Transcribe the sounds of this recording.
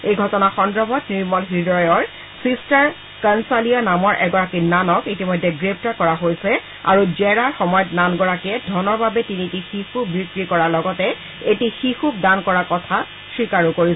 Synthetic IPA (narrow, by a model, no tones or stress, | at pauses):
ejɡʱɔtɔnaxɔndɹɔbʱɔtniɹmɔlɦidɹɔjɔɹ | sistaɹ | kansalianamɔɹʔɛɡɔɹakinanɔkitimɔjdʱːɛɡɹep̚ʰtaɹkɔɹaɦojsɛ | a̰ɹud͡ʒɛɹaɹxɔmɔjɔtnanɡɔɹakɛdʱɔnɔɹbabɛtinitixixubɹikɹikɔɹalɔɡɔtɛ | etixixuk̚dankɔɹakɔtʰa | sɹikaɹukoɹis